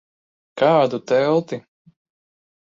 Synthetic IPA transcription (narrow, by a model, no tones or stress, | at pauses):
kɑːd̪ut̪ɛlˠt̪i